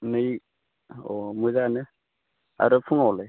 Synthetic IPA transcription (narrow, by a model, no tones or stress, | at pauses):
nɯj | ɔmuzanɯ | a̰ɾɯpʰuŋawle